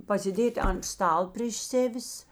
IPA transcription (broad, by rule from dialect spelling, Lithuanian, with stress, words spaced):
pɐsʲɪˈdʲeːtʲ ɐn ˈstɐlˠ pʲrʲeːʃ ˈsʲæːʋʲɪs